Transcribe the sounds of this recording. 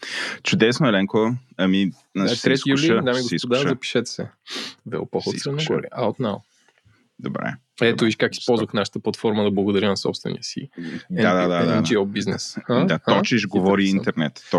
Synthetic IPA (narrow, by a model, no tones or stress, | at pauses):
t͡ʃʊd̪ɛsnoɛlɛŋkoɐmi | nat̪ɾɛt̪ijuliəd̪amiɡosisd̪aɐpi̥ʃɛt̪sɛvɛ̰pɔxoɛnoɡ̰ɾḭaot̪nawˠ | d̪obɾɛ̰ | ɛt̪oviʃkaki̥spɔlˠzvəxnaʃə̥t̪əplˠɐt̪fɔɾməd̪ɐblˠɐɡod̪ɐɾʲinɐsɔ̰pst̪vɛ̰nḭəsḭdɛad̪ad̪ad̪aiobiznɛ̰shad̪aɔt͡ʃiʃɡovɔɾiint̪ɛɾnɛt̪ːɔ